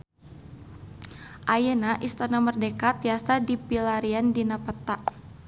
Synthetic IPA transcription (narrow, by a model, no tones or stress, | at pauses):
ʔajenaʔist̪anamərdekat̪̚iasadipilaɾiandinapət̪aʔ